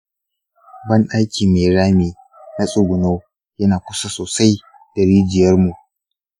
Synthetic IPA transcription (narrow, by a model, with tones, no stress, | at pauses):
bɐ˦nɗa˦jkʲiː˨meː˨ɾaː˦meː˨ | nɐ˦sʼʊ˨ɡʷʊ˨noː˦ | jɐ˦naː˨kʷʊ˦sa˦soː˨sa˦j | d̥ɐ˨ɾiː˦d͡ʒɪ˨jɐ˦rmu˨ʔ